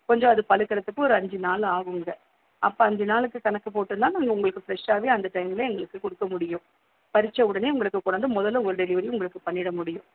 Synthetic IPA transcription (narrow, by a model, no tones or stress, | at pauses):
kɔɲd͡ʒõɐðɯpɐlɯkːɐɾɐt̪ːɯkːɯɔɾɯɐɲd͡ʒinaːlaːɣɯŋɡɐ | ʔɐpːoɐnd̪ɐnaːlɯkːɯkɐnɐkːɯpoːʈːɯnd̪ãːnaːŋɡɐʊŋɡɐɭɯkːɯfɪɾɛʂaːʋeːɐnd̪ɐʈɐjmɪleɛŋɡɐɭɯkːɯkɔɽɯkːɐmʊɽɪjʊ̃ | pɐɾɪt͡ʃːɐɯɽɐneːʊŋɡɐɭɯkːɯkːɔɳɐnd̪ɯmɔðɐlːɯ̃ɔɾɯɖɛlɪʋɐɾɪj̃ʊŋɡɐɭɯkːɯpɐɳːɪɽɐmʊɽɪjʊ̃